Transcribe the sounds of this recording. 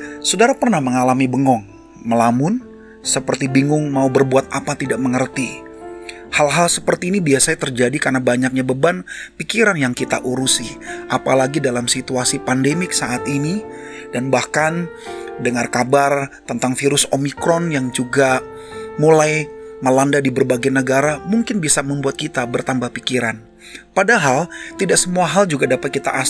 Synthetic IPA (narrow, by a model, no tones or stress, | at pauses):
sodaɾapərnahməŋalamibəŋɔŋ | məlamʊn | səpərt̪ibiŋʊŋmaubərbuat̪̚apat̪idaʔ̚məŋərt̪i | halɦalsəpərt̪iːnibiasaɲat̪ərd͡ʒadikarnabaɲak̚ɲabəbanpikiɾanjaŋkit̪a̰ʔuɾusiʔapalaɡidalamsit̪uasipandemɪksaʔat̪ini | danbahkan | dəŋarkabart̪ənt̪aŋfiɾʊsomikɾɔnjaŋd͡ʒuɡa | mulajməlandadibərbaɡajnəɡaɾamuŋkɪnbisaməmbuat̪̚kit̪abərt̪ambahpikiɾan | padaɦalt̪idaksəmuaɦald͡ʒuɡadapat̪̚kit̪a̰ʔa